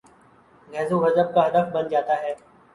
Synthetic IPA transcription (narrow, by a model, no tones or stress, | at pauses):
ɡʱɛːzuːɦəzəb̚kaɦɐd̪əfbənd͡ʒaːt̪aːɦɛː